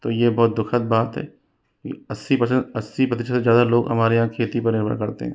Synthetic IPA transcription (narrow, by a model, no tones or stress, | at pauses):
t̪oːjebɔːt̪̚d̪ʊkʰət̪̚baːt̪ɦɛ̰ː | kḭɐsːipɐsə̃ɐsːipɐt̪iʃʰsezjaːd̪aloːɡɦɐ̰maːɾejãkʰeːt̪ipɐɾnɪɾbʱə̰ɾkɐɾt̪ḛɦɛ̃ː